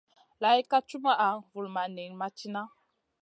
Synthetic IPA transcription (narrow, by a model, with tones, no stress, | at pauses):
la˨i˦ka˦t͡ʃu˦ma˦ʔa˨vu˨lma˨ne˨ŋma˦t͡ʃi˦na˦